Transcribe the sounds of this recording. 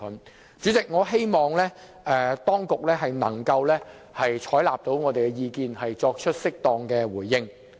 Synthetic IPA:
n | t͡ʃyː˨˥t͡sɪ˨k̚ŋɔː˨˧ɦe˥jmɔː˨ŋlɛː˥ | ʔɛ˨˧t̪ɔː˥ŋkʊ˨k̚lɛː˥ɦɐ˨jnɐ̰˨˩ŋkɐ˧wlɛː˥ | hɐ˨jt͡ʃʰɔː˨˥jla̰ː˨p̚t̪o˨˧˥wŋɔː˨˧t̪e˨jkɛ˧jiː˧kiː˨˧nhɐ˨jt͡sɔː˧k̚t͡ʃʰɵ˥t̚sɪ˥k̚t̪ɔː˧ŋkɛː˧wuː˨˩jːɪ˥ŋ

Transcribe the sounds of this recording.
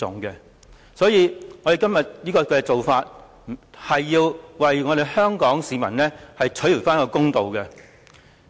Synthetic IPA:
ʊ̰˨ŋkɛ˧ | sɔː˨˥jiː˨˧ŋɔː˨˧de˨jkɐ˥mjɐ˨t̚jiː˥kɔː˧kɛ˧t͡so˨wfaː˧t̚ | hɐ˨jːiː˧wwɐ˨jŋɔː˨˧ɾe˨jhœː˥ŋkɔː˨˥ŋsiː˨˧mɐ˨˩nlɛː˥hɐ˨jt͡ʃʰɵ˨˥ji˨˩faː˥n˥kɔː˧kʊ˥ŋt̪o˨wkɛ˧

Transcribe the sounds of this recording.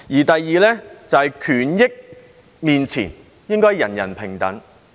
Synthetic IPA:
jiː˨˩t̪ɐ˨jːiː˨˧lɛː˥t͡sɐ˨hɛ˨jkʰyː˨˩njɪ˥k̚ | miː˨nt͡sʰḭː˨˩n | jɪ˥ŋkɔː˥jjɐ̰˨˩njɐ̰˨˩npʰɪ˨˩ŋt̪ɐ̰˨˥ŋ

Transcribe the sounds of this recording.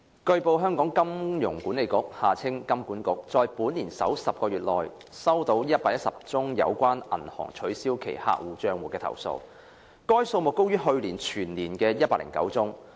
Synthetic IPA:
kɵ˧ɥpo˨˧wɦœː˥ŋkɔː˨˥ŋkɐ˥mjʊ˨˩ŋku˨˥nle˨jkʊ˨˥k̚haː˨t͡sʰɪ˥ŋkɐ˥mkuː˨˥nkʊ˨˥k̚t͡sɔː˨˧jpuː˨˥nliː˨˩nsɐ̰˨˥wsɐ˨p̚kɔː˧ɥyː˨˩t̚lɔː˨j | sɐ˥wt̪o˧˥wjɐ˥t̚paː˧k̚jɐ˥t̚sɐ˨p̚t͡sʊ˥ŋjɐ̰˨˧wkʷaː˥nʔɐ̰˨˩nhɔ̰ː˨˩ŋt͡ʃʰɵ˨˥siː˥wkʰḛ˨˩jha̰ː˨˧k̚wuː˨˩t͡ʃœː˧ŋwuː˨˩kɛː˧t̪ʰɐ̰˨˩wso̰˧w | kɔː˥jso˧wmʊ˨kːo˥wjyː˥ɦɵ˧ɥliː˨˩nt͡ʃʰyː˨˩nliː˨˩nkɛː˧jɐ˥t̚paː˧˥lɪ̰˨˩ŋkɐ̰˨˥wt͡sʊ˥ŋ

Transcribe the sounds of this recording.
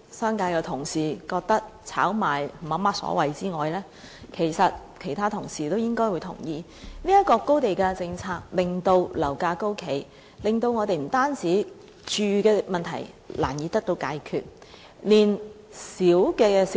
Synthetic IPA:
sœː˥ŋkaː˧jkɛː˧t̪ʰʊ˨˩ŋsiː˨˩kɔː˧k̚t̪ɐ˥k̚t͡sʰaː˨˥wmaː˨˩jm̩˨˩mɐ˨˧˥maː˧t̚sɔ̰ː˨˧˥wɐ˨jt͡siː˥ŋɔː˨jlɛː˥ | kʰe˨˩jsɐ˨t̚kʰe˨˩jt̪ʰaː˥t̪ʰʊ˨˩ŋsiː˨˩t̪o˥wjɪ˥ŋkɔː˥jwu˨˧jt̪ʰʊ̰˨˩ŋjiː˨˧ | niː˥jɐ˥t̚kːɔː˧kːo˥wt̪e˨jkɛː˧t͡sɪ˧ŋt͡sʰaː˧k̚lɪ˨ŋt̪o˧wlɐ̰˨˩wkaː˧ko˥wkʰe˨˩j | lɪ˨ŋt̪o˧wŋɔː˨˧t̪e˨jm̩˨˩t̪aː˥nt͡siː˨˥ | t͡ʃyː˨˧kɛː˧mɐ˨nt̪ʰɐ̰˨˩jla̰ː˨˩njiː˨˧t̪ɐ˥k̚t̪o˧wkaː˧jkʰyː˧t̚ | liː˨˩n | siː˨˥wkɛː˧s

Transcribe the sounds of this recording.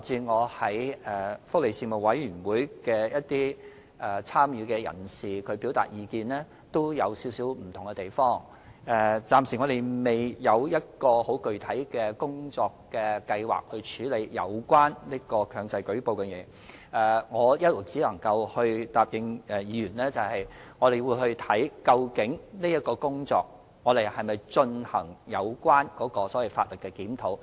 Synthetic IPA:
t͡siː˧ŋɔː˨˧hɐ˨˥jɛ˨fʊ˥k̚le˨˧jsiː˧mo˨˩w̚wɐ˨˥jjy˨˩nwuː˨˥jkɛː˧jɐ˥t̚t̪iː˥ | ʔɛ˨˩t͡sʰaː˥mjyː˨˧kɛ˧jɐ̰˨˩nsiː˨kʰɵ˨˧ɥpiː˨˥wt̪a̰ː˨˩t̚jiː˨˧kiː˧nlɛː˥ | t̪o˥wjɐ˨˧wsiː˨˥wsiː˨˥wm̩˨˩t̪ʰʊ˨˩ŋɛ˧t̪e˨˩jfɔː˥ŋ | ɛ˨˩t͡saː˧msi˨˩ŋɔː˨˧d̪e˨jme˨˩jjɐ˨˧wjɐ˥t̚kɔː˧ho˨˥wkɵ˨ɥt̪ʰɐ˨˥jkɛː˧kʊ˥ŋt͡sɔː˧kːɛː˧kɐ˧jwa̰ː˨k̚hɵ˧ɥt͡ʃʰyː˨˥le˨˧jjɐ̰˨˧wkwaː˥nliː˥kɔː˧kʰœː˧ŋt͡sɐ˧jkɵ˨˥po˨wkɛ˧jɛː˨˧ | ʔɛ˨ŋɔː˨˧jɐ˥t̚lʊ˨˩t͡siː˨˥lɐ˨˩ŋkɐ˧whɵ˧ɥt̪aː˨p̚jɪ˨˧ŋɛ˨jiː˨˧ɥyː˨˩nlɛː˥t͡sɐ˨whɐ˨jŋɔː˨˧ɾe˨˩jwuː˨˧jhɵ˧ɥt̪ʰɐ˨˥jkɐ˧wkɪ˨˥ŋniː˥jɐ˥t̚kɔː˧kʊ˥ŋt͡sɔ̰ː˧k̚ | ŋɔː˨˧d̪e˨jhɐ˨jmɐ˨˩jt͡ʃɵ˧nhɐ˨˩ŋjɐ˨˧wkʷwaː˥nkɔː˨˥kɔː˧sɔː˨˥wɐ˨˩jfaː˧t̚lɵ˨t̚kɛ˧kiː˨˥mt̪ʰo˨˥w

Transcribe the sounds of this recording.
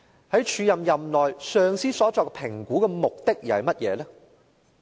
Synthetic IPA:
hɐ˨˥jt͡ʃʰyː˨˧jɐ˨mjɐ˨mlɔː˨jsœː˧ŋsiː˥sɔː˨˥t͡sɔː˨˧k̚ɛpʰɪ˨˩ŋkuː˨˥kɛː˧mʊ˨k̚t̪ɪ˥k̚jiː˨˩hɐ˨jmɐ˥t̚jɛ̰ː˨˧lɛː˥

